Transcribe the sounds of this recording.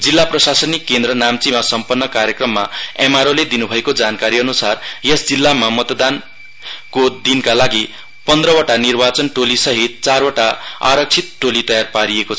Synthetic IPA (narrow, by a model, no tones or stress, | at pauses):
d͡zilːaprʌsasʌnikːend̪ɾʌnamt͡simasʌmpʌnːʌkaɾjekrʌmːaemaɾoled̪inubʱʌekod͡zankaɾiʌnusarjesd͡zilːamamʌt̪d̪an | kod̪inkalaɡi | pʌnd̪rʌwʌʈanirbat͡sʌnʈolisʌɦit̪̚t͡sarwaʈaa̰ɾʌk̚t͡sʰit̪̚ʈolit̪ʌjarpaɾiekot͡sʰʌ